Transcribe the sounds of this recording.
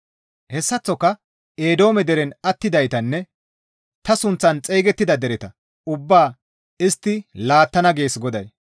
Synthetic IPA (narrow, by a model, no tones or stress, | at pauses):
hɛsːɐt͡sːɔkːɐ | eːd̪o̞ːmɛd̪ɛɾɛnɐt̪ːɪd̪ɐjt̪ɐnːɛ | t̪ɐsʊnt͡sːɐnt͡sʼeːɡɛt̪ːɪd̪ɐd̪ɛɾɛt̪ɐ | ʊbːaː | ɪst̪ːɪlaːt̪ːɐnɐɡe̞ːsɡɔd̪ɐj